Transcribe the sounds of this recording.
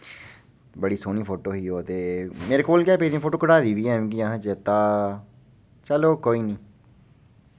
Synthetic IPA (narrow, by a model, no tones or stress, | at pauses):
bəɽiːsoːniːpʰoːʈoːɦiːɦoːət̪eːmeːɾeːkoːlkɛːpeːd̪ĩpʰoːʈoːkəɽaːd̪iːʋiːɛ̃ːmɡiːãːɦd͡ʒət̪ãː | t͡ʃəloːkoːiːnĩː